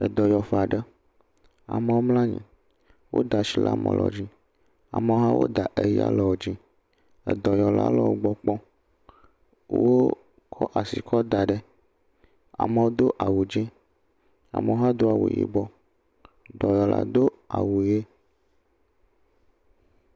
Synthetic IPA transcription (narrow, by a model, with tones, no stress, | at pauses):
ɛ˨d̪ɔ˨jɔ˨fa˨ɖə˦ | a̰˨m̃˨wo˦mlã˦ɲḭ̃˨ | wʔo̰˦d̪a˨ʃi˨la̰˨mɛ̰̃˨lɔ̰˨d͡ʑĩ˦ | a̰˨mɛ˨˦ɦa˦wo̰˦d̪a˨ʔe˨ji˦a̰˨lɛ˨wo˨d͡ʒĩ˦ | ɛ̰˨d̪ɔ˨jɔ˨la̰˦lɔ˨wo˦ɡ͡bɔ˦k͡pɔ̃˦ | wo˦ | kʰɔ˦ʔa˨si˨kʰɔ˦d̪a˨ɖɛ˦ | a̰˨mə̃˨wo˦d̪o˦ʔa˨wu˨d͡ʒĩ˦ | a̰˨mɛ˨o˦ɦa˦d̪o˦a˨wo̰˨jḭ˨bɔ˦ | d̪ɔ˨jɔ˨la̰˨d̪o˦ | a˨wo˨je˦